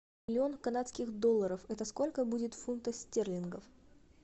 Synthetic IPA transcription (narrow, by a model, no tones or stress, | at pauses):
ɪlʲɪo̞nkɐnat̪skʲɪxd̪o̞lˠːəɾəfɛt̪əsko̞lʲkəbudʲɪt̪funt̪əsʲtʲerlʲɪnɡəf